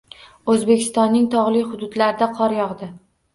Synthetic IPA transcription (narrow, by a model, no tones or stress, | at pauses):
ɵzbekʲʰɪst̪ɒnːɪŋt̪ʰɒʁlˠɪjhʊd̪ʊd̪laɾɪd̪aqʰɒɾjɒʁd̪ɪ